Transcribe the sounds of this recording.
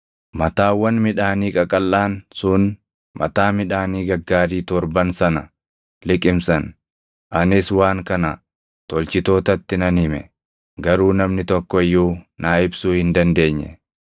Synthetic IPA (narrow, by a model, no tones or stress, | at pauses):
mɐt̪aːwɐnmɪᶑaːniːkʼɐkʼɐlːaːnsʊn | mɐ̰t̪aːmɪᶑaːniːɡɐɡːaːɾiːt̪ɔɾbɐnsɐnɐ̰ | lɪkʼɪmsɐn | ʔɐnɪswaːŋkɐnɐ | t̪ɔlt͡ʃɪt̪o̞ːt̪ɐt̪ːɪnɐnhɪmɛ̰ | ɡɐɾuːnɐmnɪt̪ɔkːɔɪjːuːnaːɪbsuːhɪnd̪ɐnd̪e̞ːɲːɛ̰